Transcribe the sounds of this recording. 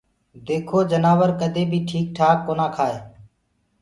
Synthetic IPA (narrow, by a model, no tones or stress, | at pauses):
d̪eːkʰoːd͡ʒənaːʋəɾkəd̪ʱeːbʱiːʈʰiːk̚ʈʰaːkːoːnaːkʰaːeː